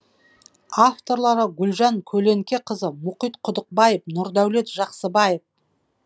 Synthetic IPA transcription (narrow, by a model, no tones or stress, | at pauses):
aft̪o̞ɾlˠɑɾəɡʲʏlʒɑŋkʲʰɵle̞ŋkʲe̞qʰəzəmʊqijt̪qʰʊd̪əq̚bɑjep̚nʊɾd̪æwle̞t̪ʒɑqsəbɑjef